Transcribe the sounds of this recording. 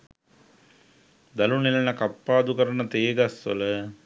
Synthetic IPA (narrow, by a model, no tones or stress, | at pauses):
d̪ɐlunilɐnɐkɐpːaːd̪ukɐɾɐnɐt̪eːɡɐsːɐ̰lɐ